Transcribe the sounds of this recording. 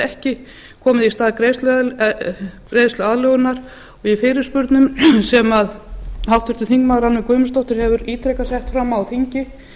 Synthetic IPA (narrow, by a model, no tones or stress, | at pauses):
ɛhcɪ | kʰɔːmɪðist̪aːðkɾejst̪l | kɾejðst̪lʏaðlœːɣʏnaɾ | ɔɣifɪːɾɪɾ̥spʏɾt̪nʏmsɛmaðhawht̪vʏɾt̪ɪθiŋkmaːðɾanvɪkvœːɥmʏst̪ɔht̪ʏɾ̥hɛvʏɾiːt̪ʰɾɛkasjɛht̪fɾamːawθiɲcɪ